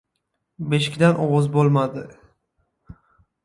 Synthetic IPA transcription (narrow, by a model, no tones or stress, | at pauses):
beʃɪ̥kʲd̪anʔɒwɒzbolˠmad̪ɪ